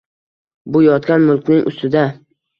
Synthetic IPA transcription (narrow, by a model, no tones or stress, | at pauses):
bʊjɒt̪kʲanmʊlˠkʲnɪŋʔʊ̰st̪ɪd̪a